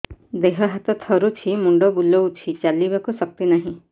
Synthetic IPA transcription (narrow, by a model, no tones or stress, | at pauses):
d̪eɦɔɦat̪ɔt̪ʰɔɾut͡ʃʰimuɳɖɔbulɔwt͡ʃʰit͡ʃalibakusɔk̚t̪inaɦĩ